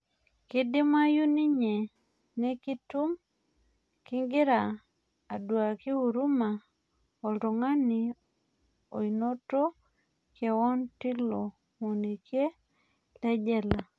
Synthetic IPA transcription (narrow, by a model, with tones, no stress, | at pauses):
kɪ˦dɪ˦ma˦ju˦ni˦ɲe˨ | ne˦ki˦tu˦m | kɪ˦ŋɡɪ˦ɾaː˨ | dwa˨ki˦u˨ɾu˦ma˨ | o˨ldo˨ŋa˦ni˨ | o̰˨i˨no˦to˦ | kɛ˨wɔ˦ntɪ˦lo˨ | mo˨ni˨kje˦ | lɛ˦d͡ʒɛ˦la˨